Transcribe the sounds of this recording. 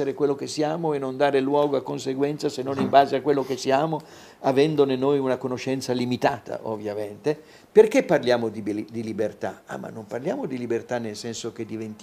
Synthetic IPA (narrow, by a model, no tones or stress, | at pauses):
eɾekwelːokesːiaːmoɛnːond̪aːɾelwɔːɡoakːonseɡwɛnt̪sasenːonimbaːzeakːwelːokesiaːmo | avɛnd̪onenojunakonoʃːɛnt̪salimit̪aːt̪ʰa̰ʔo̰vːjament̪e | perkepːarljaːmod̪ibd̪ilibert̪aa̰mːa̰nːomparljaːmod̪ilibert̪anːelsɛnsok̟ed̪ːivent̪